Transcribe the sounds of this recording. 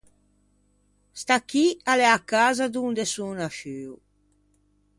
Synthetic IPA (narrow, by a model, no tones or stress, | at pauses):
st̪akːialɛakaːzad̪und̪esunaʃyːu